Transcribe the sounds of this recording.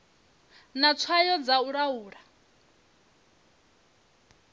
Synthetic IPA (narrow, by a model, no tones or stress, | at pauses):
nat͡sʰwajɔd͡zauɺauːɾa